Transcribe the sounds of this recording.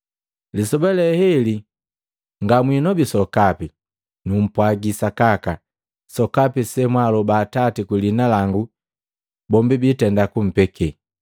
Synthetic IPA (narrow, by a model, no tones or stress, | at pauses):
lisɔbɛlɛhɛli | ŋɡamwinɔbisɔkapi | num̩pwaɡisakaka | sɔkapisɛmwalɔbaːtatikwilinalaŋɡu | bɔmbibitɛndakum̩pɛkʰɛ